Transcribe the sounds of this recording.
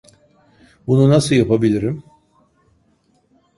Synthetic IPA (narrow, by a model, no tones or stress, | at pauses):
bununasɯljapʰabilʲiɾim